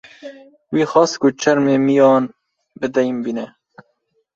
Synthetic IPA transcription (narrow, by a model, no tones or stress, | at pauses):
wiːxɑːskʊt͡ʃʰɐɾmeːmijɑːn | bɨd̪ɛjmbiːnɛ